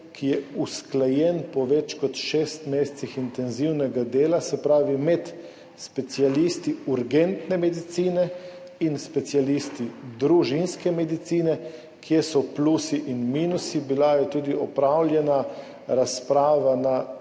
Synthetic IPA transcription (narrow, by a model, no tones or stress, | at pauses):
kijɛusklajɛnpɔʋɛt͡ʃkɔt̪ʃeːst̪meːst̪sixint̪ɛnziwnɛɡad̪eːlasɛpɾaːʋimɛt̪ | spɛt̪sialist̪iuɾɡɛnt̪nɛmɛd̪it̪siːnɛ | inspɛt̪sialist̪id̪ɾuʒinskɛmɛd̪it̪siːnɛ | kʰjɛsɔplusiʔinmiːnusibilajɛt̪uːd̪iɔpɾawlʲjɛna | ɾaspɾaːʋana